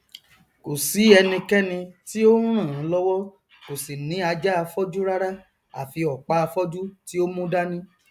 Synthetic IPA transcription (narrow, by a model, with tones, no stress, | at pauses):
ko˨si˨˦ɛ˧nĩ˧kɛ˦nĩ˧ti˦o˦ũ˦ɾ̃ã˦˨ã˨˦lɔ˦wɔ˦ | ko˨si˨nĩ˨˦a˧d͡ʒa˦a˧fɔ˦d͡ʒu˦ɾa˦ɾa˦ | a̰˨fi˧ɔ˨k͡pa˨˦a˧fɔ˦d͡ʒu˦ti˦o˦mũ˦da˦nĩ˦